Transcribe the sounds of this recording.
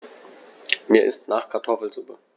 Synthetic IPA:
miːɐʔɪstnaːχkʰaɐtʰɔfl̩zʊpə

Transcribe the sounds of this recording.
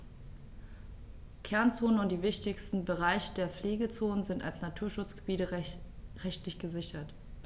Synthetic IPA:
kʰɛɐnt͡soːnənʊnt̚d̥iːvɪçtɪçstn̩bəʁaɪçədeːɐfleːɡət͡soːnənzɪntalsnatʰuːɐʃʊt͡sɡ̥əbiːtəʁɛçtlɪçɡ̥əzɪçɐt

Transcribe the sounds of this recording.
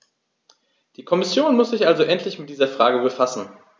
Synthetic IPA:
d̥iːkʰɔmɪsjoːnmʊsz̥ɪçʔalzoʔɛntʰlɪçmɪt̚d̥iːzɐfʁ̥aːɡəbəfasn̩

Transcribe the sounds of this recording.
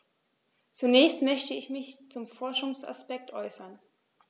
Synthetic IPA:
t͡sunɛːçstmœçtəɪçmɪçt͡sʊmfɔɐʃʊŋsa̰spɛk̚tʔɔ̰ʏsɐn

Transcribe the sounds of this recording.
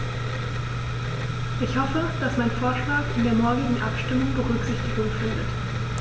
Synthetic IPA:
ʔɪçhɔfəd̥asmaɪnfoːɐʃlaːkɪndeːɐmɔɐɡɪɡŋ̩ʔa̰pʃtɪmʊŋbəʁʏkz̥ɪçtɪɡʊŋfɪndət

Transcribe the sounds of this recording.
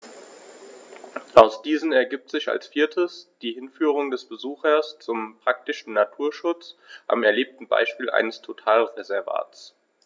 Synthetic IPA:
ʔaʊsd̥iːzn̩ɛɐɡiːp̚tz̥ɪça̰lsfiːɐtʰəsd̥iːhɪnfyːʁ̞ʊŋdɛsb̥əzuːxɐst͡sʊmpʁ̥ak̚tɪʃn̩natʰuːɐʃʊt͡sʔa̰mɛɐleːp̚tn̩ba̰ɪʃpiːlʔa̰ɪnəstʰotʰaːlʁezɛɐva̰ːt͡s

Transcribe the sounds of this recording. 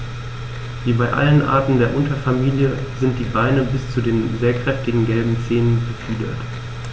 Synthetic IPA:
viːbaɪʔa̰lənʔa̰ɐtn̩deːɐʔʊntɐfamiːljəzɪnt̚d̥iːbaɪnəbɪst͡sudeːnzeːɐkʁ̥ɛftɪɡŋ̩ɡɛlbm̩t͡seːnənbəfiːdɐ̰t

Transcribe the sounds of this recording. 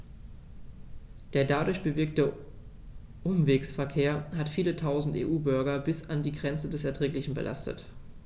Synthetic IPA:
d̥eːɐdadʊɐçb̥əvɪɐk̚tə | ʔʊmveːksfɛɐkʰeːɐhatfiːlətʰaʊzn̩tḛːʔuːbʏɐɡɐbɪsandiːɡʁɛnt͡sədɛsɛɐtʁ̥ɛːklɪçn̩bə̰lʔa̰stə̰t

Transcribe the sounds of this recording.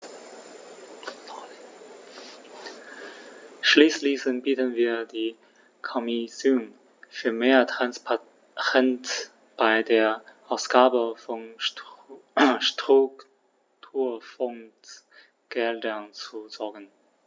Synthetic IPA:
ʃliːslisənb̥iːtənviːɐdiː | kʰɔmisjoːn | fyːɐmeːɐtʁanspa | ʁɛnt | b̥aɪdeːɐʔaʊsɡ̥aːbəfɔn | ʃtʁ̥uk | tʰuːɐfɔnt | ɡ̥ɛldɐnt͡suzɔɐɡən

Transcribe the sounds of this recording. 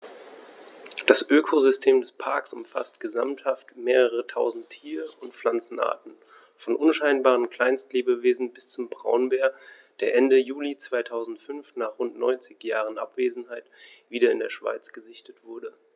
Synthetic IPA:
d̥asʔøːkʰozʏstʰeːmdɛspʰaɐksʊmfa̰stɡ̥əzamthaftmeːʁ̞əʁətʰaʊzn̩tʰːiːʁəʊntflant͡sn̩ʔa̰ːɐtn̩ | fɔnʔʊnʃaɪnbaːʁ̞ənkl̥aɪnstleːbəveːzn̩bɪst͡sʊmbʁa̰ʊnbeːɐ | d̥eːɐʔɛndəjuːlit͡sv̥aɪtʰaʊzn̩tfʏnfnaːχʁ̥ʊntnɔ̰ʏnt͡sɪçjaːʁ̞ənʔa̰pv̥eːzn̩ɦaɪtv̥iːdɐɪndeːɐʃv̥a̰ɪt͡sɡ̥əzɪçtətv̥ʊɐdə

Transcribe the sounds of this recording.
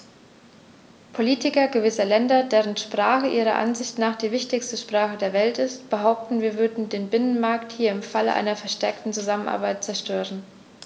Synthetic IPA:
pʰoliːtɪkɐɡəvɪsɐlɛndɐdeːʁənʃpʁ̥aːχəʔiːʁ̞ɐ̰ʔa̰nzɪçtnaːχd̥iːvɪçtɪçstəʃpʁ̥aːχədeːɐvɛltɪstb̥əɦaʊp̚tn̩viːɐvʏɐdn̩deːnbɪnənmaɐkthiːɐɪmfalə̰ʔa̰ɪnɐfɛɐʃtɛɐktn̩t͡suzamənʔa̰ɐbaɪt̚t͡sɛɐʃtøːʁən

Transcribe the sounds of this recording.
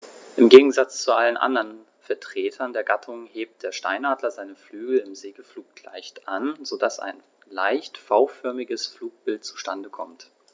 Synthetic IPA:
ʔɪmɡeːɡŋ̩zat͡st͡suʔalənʔa̰ndɐn | fɛɐtʁ̥eːtʰɐndeːɐɡatʰʊŋheːp̚t̚d̥eːɐʃta̰ɪnaːdlɐzaɪnəflyːɡl̩ɪmzeːɡəfluːk̚tla̰ɪçtʔanz̥odasa̰ɪn | laɪçtfaʊfœɐmɪɡəsfluːk̚b̥ɪlt̚t͡su̥ʃtandəkʰɔmt

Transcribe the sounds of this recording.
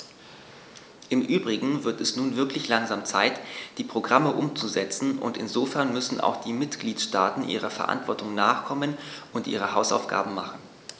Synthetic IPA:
ʔɪmʔyːbʁɪɡŋ̩vɪɐtɛsnuːnvɪɐklɪçlaŋzaːmt͡saɪtd̥iːpʁ̥oɡʁaməʔʊmt͡suzɛt͡sn̩ʊ̰ntɪnzoːfɛɐnmʏsn̩a̰ʊxd̥iːmɪtɡ̥liːtʃtaːtn̩ʔḭːʁ̞ɐfɛɐʔa̰ntv̥ɔɐtʊŋnaːχkʰɔmənʔʊntʔḭːʁ̞əhaʊsa̰ʊfɡ̥a̰ːbm̩maχn̩

